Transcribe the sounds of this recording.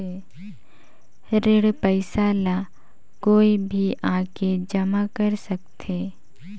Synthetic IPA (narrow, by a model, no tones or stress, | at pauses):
e | ɾeɽpəɪsaːla | koːibʱiʔaːked͡ʒəmakəɾsək̚t̪ʰeː